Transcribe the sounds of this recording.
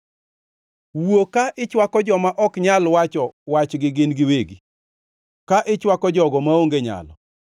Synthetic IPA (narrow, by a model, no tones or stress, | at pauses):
wokaʔɪt͡ʃwakɔd͡ʒɔmaʔɔkɲalwat͡ʃɔwat͡ʃɡɪɡɪnɡɪweɡi | kaʔɪt͡ʃwakɔd͡ʒɔɡɔmaoŋɡeɲa̰lɔ̰